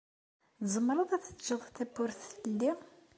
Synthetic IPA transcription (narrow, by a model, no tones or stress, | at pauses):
zˤəmːɾˤəðˤæθə̥d͡ʒːəðˤt̪ːæbʊɾθlːi